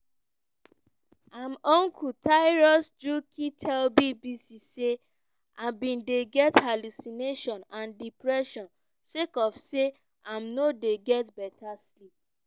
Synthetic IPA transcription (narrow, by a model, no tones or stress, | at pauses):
ãmɔ̃ŋkʰutʰaɪɹɔsd͡ʒukʰitʰɛlbibisise | ãbĩndeɡɛthalusineʃɔ̃nãndipɹɛʃɔ̃n | sekɔfse | ãmnodeɡɛtbɛtaslip̚